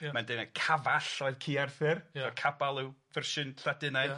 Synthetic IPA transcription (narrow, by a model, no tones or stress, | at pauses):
mandɪnakʰavaɬɔɨð̥kʰiːarθɨrɔkʰabalˠɪwvɪrʃɪnɬadɪnaɨð